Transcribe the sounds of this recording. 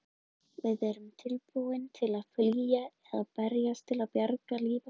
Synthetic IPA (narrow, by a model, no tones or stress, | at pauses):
vɪðɛjɾʏmt̪ʰɪlpuɪnt̪ʰɪlaðflijaɛðaðpɛɾjast̪ʰɪlawpjaɾkaliːva